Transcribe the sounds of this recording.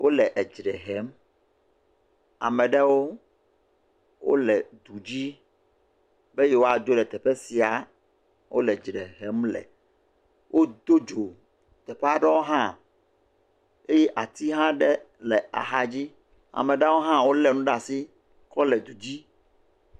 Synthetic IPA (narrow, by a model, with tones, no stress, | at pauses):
wʔo˦lɛ˨ʔɛ˨d͡ʒɾɛ˨ɦɛ˦m | a̰˨mɛ̃˨ɖɛ˦wo˦ | wo̰˦lɛ˨d̪u˨d͡ʑi˦ | be˦jɛ˦wo˦a˨d͡ʒo˦lɛ˨t̪ɛ˨ɸɛ˦si˨a˨ | wʔo̰˦lɛ˨d͡ʒɾɛ˨ɦɛ˦mlɛ̰˨ | wʔo˦d̪o˦d͡ʒo˨ | t̪ɛ˨ɸɛ˦a˨ɖɛ˦wo˦ɦã˦ | e˦jɛ˦ʔa˨t̪i˦ɦã˦ɖɛ˦ | lɛ˨a̰˨ɦa˦d͡ʑi˦ | a̰˨mɛ̃˨ɖɛ˦wo˦ɦã˦wo˦lɛ˨nũ˦ɖa˨si˦ | kɔ˦lɛ˨d̪u˨d͡ʑi˦